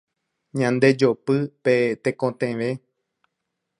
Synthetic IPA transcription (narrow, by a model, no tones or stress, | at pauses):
ɲãnd̪e̞d͡ʒopɨpet̪ekõt̪ẽʋẽ